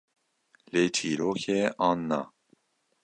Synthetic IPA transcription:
leːt͡ʃʰiːɾoːkʰeːʔɑːnːa̰

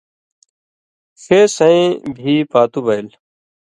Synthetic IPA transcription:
sʰeːsəẽːbʱiːpaːt̪uːbəɪl

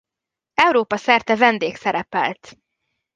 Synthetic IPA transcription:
ɛwɾoːpɒsɛrt̪ɛvɛnd̪eːksɛɾɛpɛ̰lt̪

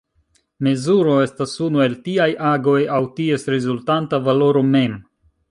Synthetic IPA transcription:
me̞zuɾo̞e̞stasunue̞ltiajʔaɡo̞jawtie̞sɾezultantavalo̞ɾo̞me̞m

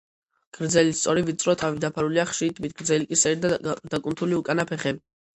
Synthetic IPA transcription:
ɡ̥ɾd̪zɛlist̪sʼɔɾivit̪sʼɾɔt̪ʰavid̪apʰaɾuliaχʃit̪ʰmit̪̚ɡ̥ɾd̪zɛlikʼisɛɾd̪ad̪akʼunt̪ʰuliukʼanapʰɛχɛbi

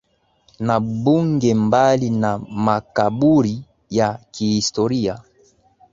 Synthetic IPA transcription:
nabuŋɡɛmbalinamakabuɾi | jakihistoʁija

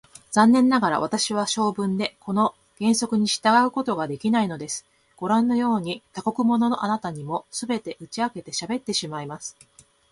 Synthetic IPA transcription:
z̥ãnːẽ̞nːaɡaɾa̰β̞at̪aɕiβ̞aɕo̞ːbɯ̟̃nd̪e̞kʰo̞no̞ | ɡ̥ẽ̞ɰ̃so̞kɯ̟ɲ̟iɕi̥t̪aɡaɯ̟ko̞t̪o̞ɡad̪e̞kʲinaino̞d̪e̞sɨ̥ | ɡ̥o̞ɾãnːo̞jo̞ːɲ̟it̪ako̞kɯ̟mo̞no̞no̞ʔanat̪aɲ̟imo̞sɨbe̞t̪e̞ʔɯ̟t͡ɕiake̞t̪e̞ɕabe̞t̪ːe̞ɕimaimasɨ̥

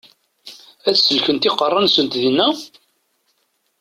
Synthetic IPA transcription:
æt͡sːsəlçənt̪iqərˤːɑnsənt̪ðinːæ

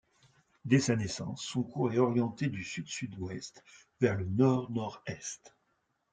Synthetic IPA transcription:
d̪esanesɑ̰̃sːɔ̃kuʁɛɔʁjɑ̃t̪ed̪ysyd̪syd̪wɛst̪ | vɛʁlənɔʁnɔʁɛst̪

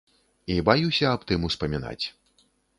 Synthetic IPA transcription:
ibajusʲɐːpt̪ɨmuspɐmʲina̰t͡sʲ

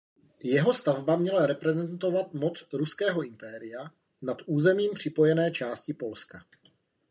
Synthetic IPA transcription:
jɛɦo̞st̪avbamɲɛlaɾɛpɾɛzɛnt̪o̞vat̪mo̞t͡sɾuskɛːɦo̞ʔɪmpɛːɾɪja | nat̪ʔuːzɛmiːmpr̝̥ɪpo̞jɛnɛːt͡ʃaːscɪpo̞lska

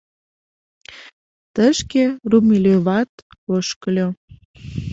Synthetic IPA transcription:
t̪əʃkerumilʲøβɑt̪oʃkəlʲo

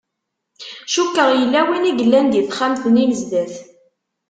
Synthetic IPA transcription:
ʃukːəʁjəlːæwiniɡəlːænd̪jiθχamθəniməzd̪æθ

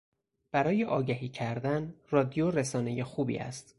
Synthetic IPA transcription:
b̥æɾɒːje̞ʔɒːɟæɦiːcʰæɾd̪ænrɒːd̪ijoɾesɒːne̞jexuːbḭːæ̰st̪

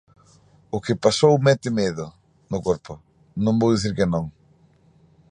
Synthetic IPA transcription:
ʊkɪpasowmɛt̪ɪmeðʊ | nʊkoɾpʊ | nõŋbowðiθiɾkɪnõŋ

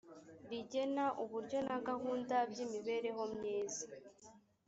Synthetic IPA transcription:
βiɟe̞naʔuβuɾɟo̞naɡahuːndabjiːmiβe̞ːɾe̞ɦo̞mɲeːza

